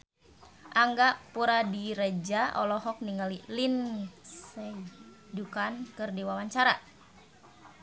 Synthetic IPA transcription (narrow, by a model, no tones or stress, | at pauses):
ʔaŋɡaʔpuɾadiɾəd͡ʒaʔɔ̰lɔɦɔk̚niŋɡalilinsɛ | dukankɨrdiwawaɲt͡ʃaɾa